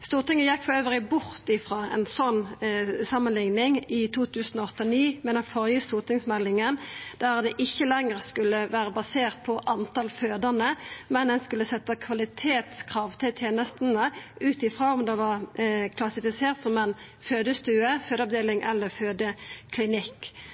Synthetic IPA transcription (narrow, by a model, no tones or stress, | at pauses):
st̪uːʁt̪ɪŋːənjɛkːfɔøːʋəʁɪbʊʁt̪ɪfʁɑːɛ̰nsɔnːsɑmːənlɪŋnɪŋɪt̪ʰuːt̪ʰʉːsnɔɔt̪ːəniːmɛnəfɔʁjəst̪uːʁt̪ɪŋsmɛlːɪŋənd̪̥æʁd̪ɛʔɪçːəlɛŋəʁskʉlːəʋæːɾəbɑseːʁt̪̚pʰɔʔɑnt̪ɑlføːd̪əʁnəmɛnɛnskʉlːəsɛt̪ːəkʰʋɑlɪt̪ʰeːt̪skʰʁɑːʋt̪ʰɪlt̪ʰjeːnəst̪n̩əʔʉːt̪ɪfɾoːɔmd̪ɛʋɑʁkʰlɑsɪfɪseːʁt̪sɔmɛn | føːd̪əst̪ʉːəføːd̪əɑʋd̪eːlɪŋʔɛ̰lːəføːd̪əkʰlɪnɪkː